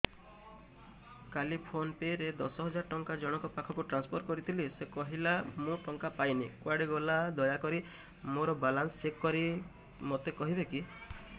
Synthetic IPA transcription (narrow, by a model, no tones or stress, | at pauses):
kalipʰonpeɾed̪ɔsɔɦɔd͡ʒaɾɔʈɔŋkad͡ʒɔɽ̃ɔkɔpakʰɔkuʈɾanspʰoɾkɔɾit̪ʰilisekɔɦilamũʈɔŋkapajnikwaɽeɡɔlad̪ɔjakɔɾi | moɾɔbalansekkɔɾi | mot̪ekɔɦibeki